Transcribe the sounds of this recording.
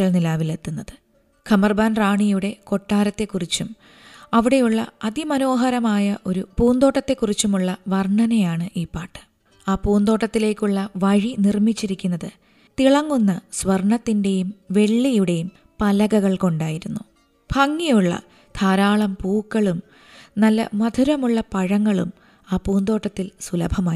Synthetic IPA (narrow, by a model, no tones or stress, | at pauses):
ɐɭnilaːʋile̞t̪ːunːɐðɨ | kʰɐmɐrbaːnraːɳijuɽe̞ko̞ʈːaːɾɐt̪ːe̞kːurit͡ɕːum | ɐʋiɽe̞juɭːɐ̰ɐd̪imɐno̞ːɦɐɾɐmaːjɐʔo̞ɾupuːnd̪o̞ːʈːɐt̪ːe̞kːurit͡ɕːumuɭːɐʋɐrɳɐnejaːɳɨʔiːpːaːʈːɨ̥ | aːpuːnd̪o̞ːʈːɐt̪ːile̞ːkʲːuɭːɐʋɐɻinirmit͡ɕːiɾikʲːunːɐðɨ | t̪iɭɐŋːunːɐsʋɐrɳɐt̪ːinde̞jumʋe̞ɭːijuɽe̞jum | pɐlɐɣɐɣɐɭko̞ɳɖaːjiɾunːu | b̥ʰʱɐŋːijuɭːɐ̰ | d̪̥ʰaːɾaːɭɐmpuːkːɐɭum | nɐlːɐ̰mɐd̪ʱuɾɐmuɭːɐpɐɻɐŋːɐɭum | aːpuːnd̪o̞ːʈːɐt̪ːilsulɐbʱɐmaː